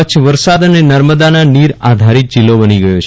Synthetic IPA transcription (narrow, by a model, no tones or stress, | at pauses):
ət͡ʃʰʋəɾsad̪ənenəɾməd̪ananiɾad̪ʱaɾit̪̚d͡ʒɪlːobəniɡəjot͡ʃʰ